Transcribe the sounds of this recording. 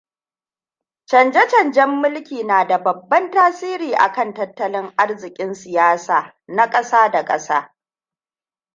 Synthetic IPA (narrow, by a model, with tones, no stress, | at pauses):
t͡ʃɐ˨nd͡ʒɛ˦t͡ʃɐ˨nd͡ʒɛ˦mːʊ˦lkʲiː˨naː˨da˨bɐ˨bːɐ˦ntaː˦siː˦ɾiː˨ʔa̰˨kɐ˦˨ntɐ˦tːɐ˦lɪ˦ŋʔa˦rzɪ˨kʲʼɪ˦nsɪ˨jaː˦saː˨ | na˦kʼɐ˦saː˦da˨kʼɐ̰˦saː˦